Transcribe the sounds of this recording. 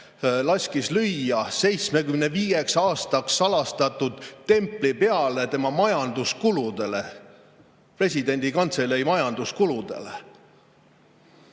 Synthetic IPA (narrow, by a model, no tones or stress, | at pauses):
lɑsʲkislyjɑse̞jt̪sme̞kymneviːjeksɑɑːst̪ɑksːɑlɑst̪ɑt̪ud̪̥t̪e̞mplipe̞ɑle̞t̪e̞mɑmɑjɑnd̪̥uskulud̪̥e̞le̞ | pre̞s̬ʲid̪̥e̞nʲd̪̥ikɑnt̪se̞lejmɑjɑnd̪̥uskulud̪̥e̞̰le